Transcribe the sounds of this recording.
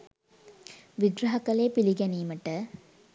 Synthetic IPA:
ʋiɡɾɐɦɐkɐleːpiliɡɛniːməʈə

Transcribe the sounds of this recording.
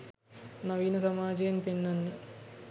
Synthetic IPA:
nɐʋiːnɐsɐmaːd͡ʒɐjmpinːɐnːi

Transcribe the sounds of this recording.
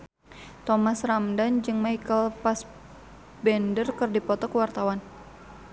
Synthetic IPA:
t̪ɔmasramdand͡ʒɨŋmaikəlpas | bɛndərkɨrdipɔt̪ɔkəwart̪awan

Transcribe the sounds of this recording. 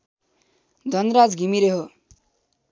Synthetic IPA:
d̪ʱʌnɾad͡zɡʱimiɾeɦo

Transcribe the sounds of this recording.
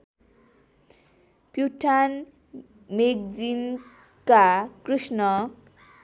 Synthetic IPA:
pjuʈʰan | mek̚d͡zin | kakrusnʌ

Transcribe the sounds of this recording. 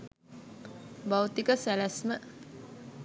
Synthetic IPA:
bawt̪ikəsɛlɛsmə

